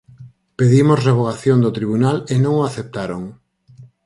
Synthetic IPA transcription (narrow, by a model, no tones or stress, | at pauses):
peðimosreβ̞oɣaθjond̪ot̪ɾiβunalenõŋoaθep̚t̪aɾoŋ